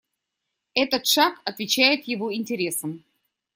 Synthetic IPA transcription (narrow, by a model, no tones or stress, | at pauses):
ɛt̪ət̪ʂakɐt̪vʲɪt͡ɕæjɪt̪jɪvo̞ɪnʲtʲɪɾʲe̞səm